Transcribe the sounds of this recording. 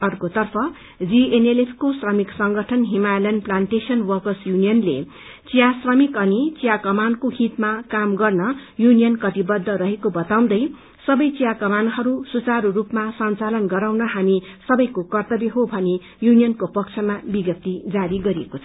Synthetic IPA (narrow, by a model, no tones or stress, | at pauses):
ʌrkot̪ʌrpʰʌ | d͡zienelepʰkosrʌmiksʌŋɡʌʈʰʌnɦimalenplanʈesʌnwʌrkʌsjunijʌnle | t͡sijasrʌmikʌnit͡sijakʌmankoɦit̪makamɡʌrnʌjunijʌnkʌt̪ibʌd̪ʱːʌɾʌɦekobʌt̪aw̃d̪ʌj | sʌbʌjt͡sijakʌmanɦʌɾusut͡saɾurupmasʌnt͡salʌnɡʌɾawnʌɦamisʌbʌjkokʌrt̪ʌbjeɦobʱʌne | junijʌnkopʌkt͡sʰʌmabiɡʌp̚t̪ːid͡zaɾiɡʌɾiekot͡sʰʌ